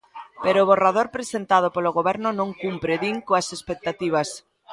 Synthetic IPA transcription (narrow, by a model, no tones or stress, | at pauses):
peɾoːβ̞orað̞oɾpɾesent̪að̞ʊpoloɣ̞oβɛɾnʊnõŋkumpɾeðiŋkoasespek̚t̪at̪iβ̞ɐs